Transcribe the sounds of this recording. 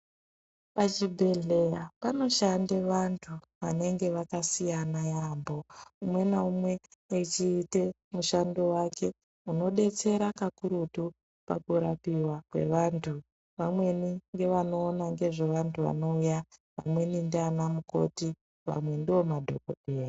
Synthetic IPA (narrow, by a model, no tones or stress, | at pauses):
pat͡ʃibʱe̞ɮe̞japano̞ʃandeʋantʰu | ʋane̞ŋɡe̞ʋakasijanajambo̞umwe̞naumwe̞ːt͡ʃiːte̞ | muʃando̞wake̞ | uno̞ɗe̞t͡se̞ɾakakuɾutu | pa̰kuɾapiwakwe̞̰ʋantʰu | ʋamwe̞niŋɡe̞ʋano̞ːnaŋɡe̞ʐe̞ʋantʰuʋa̰no̞ujaʋa̰mwe̞nindanamuko̞̰ti | ʋa̰mwe̞ndiwo̞madʱo̞̰ko̰ɗeːra